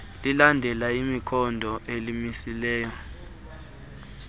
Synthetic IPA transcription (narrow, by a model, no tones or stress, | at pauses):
lilandʱɛlaimikʰɔndʱɔʔelimisilɛːjɔ